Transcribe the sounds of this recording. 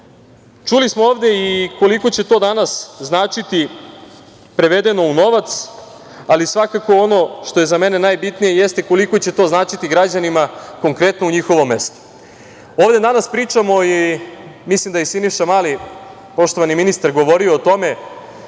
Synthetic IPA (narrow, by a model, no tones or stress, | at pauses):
t͡ʃulismooːʋd̪e̞iko̞liko̞t͡ɕe̞t̪o̞ːd̪anasznaːt͡ʃit̪i | pɾe̞ʋe̞d̪e̞no̞uno̞ʋat̪s | alisʋakako̞o̞no̞ʃt̪o̞je̞zame̞ne̞naːjbit̪nije̞je̞st̪e̞ko̞liko̞t͡ɕe̞t̪o̞ːznaːt͡ʃit̪iɡɾad͡ʑanimako̞ŋkɾe̞t̪nouɲixo̞ʋo̞mːe̞st̪o̥ | oːvd̪e̞d̪anaspɾiːt͡ʂamo̞i | mislimd̪ajesiniʃamali | po̞ʃt̪o̞ʋaniminist̪aɾɡo̞ʋo̞ɾioːt̪o̞me̞